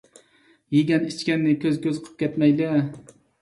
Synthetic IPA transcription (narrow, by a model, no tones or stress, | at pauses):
jeɡʲɛnit͡ʃkʲɛnːɪkʲʰøzkʲʰøzqʰə̥p̚kʲʰɛt̪mɛjlɛ